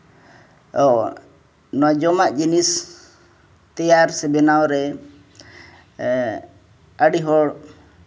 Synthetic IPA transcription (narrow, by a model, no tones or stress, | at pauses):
ɔ | nɔwad͡ʒɔmaʔd͡ʒinis | t̪ɛjaɾsɛbɛnawɾɛ | əɽiɦɔɽ